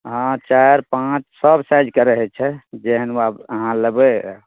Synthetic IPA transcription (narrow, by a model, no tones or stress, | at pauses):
ɦãt͡ʃaɾpãt͡ʃsəbsajd͡ʒkəɾəɦɛt͡ʃʰɛd͡ʒɛɦənabəɦãləbe